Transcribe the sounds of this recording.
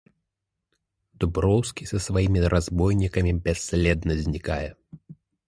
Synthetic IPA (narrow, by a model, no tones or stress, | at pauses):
d̪̥ubɾɔwskʲisɐsvajimʲiɾʔazbɔjnʲikɐmʲibʲasʲːlʲɛd̪nɐzʲnʲikajɛ